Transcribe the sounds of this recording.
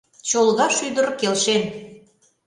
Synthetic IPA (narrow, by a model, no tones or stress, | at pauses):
t͡ɕolˠɣɑʃyd̪əɾkelʃen